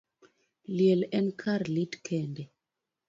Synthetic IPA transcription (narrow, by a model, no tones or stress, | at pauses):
ljɛlɛnkʰarlitkʰɛndɛ